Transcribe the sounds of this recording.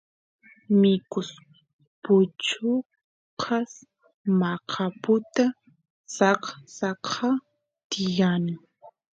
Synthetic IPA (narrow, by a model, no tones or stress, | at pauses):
mɪkʊs | pʊt͡ʃʊ | qʰɑs | mɑqʰɑpʊt̪a | sɑqsɑqʰɑ | t̪ɪjanɪ